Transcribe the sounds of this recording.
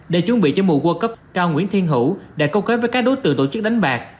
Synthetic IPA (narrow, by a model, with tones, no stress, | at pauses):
ɗe˨˧˩t͡ɕu˧˦ŋ͡mɓḭ˧˨t͡ɕɔ˧mṵ˨˧˩ɣo˧kə˦˥p̚kaː˧wŋḭ˧˥ənt̪ʰi˧ənɦṵ˧˩ɗa̰ː˧˥kə˧wxeː˨˦˥jvəː˨˦jkaː˦˥k̚ɗo˨˦jt̪ɨ̰˨˧˨t̪o̰˧˩t͡ɕɨ˦˥k̚ɗa˨˦jŋ̟ɓaː˨˩k̚